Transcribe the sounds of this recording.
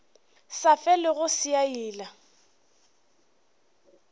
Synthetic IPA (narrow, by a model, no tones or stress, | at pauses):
safɛlɪɣʊsiaiːla